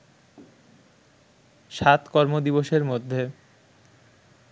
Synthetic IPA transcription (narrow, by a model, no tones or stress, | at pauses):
ʃat̪kɔɾmod̪iboʃeɾmod̪ʱːe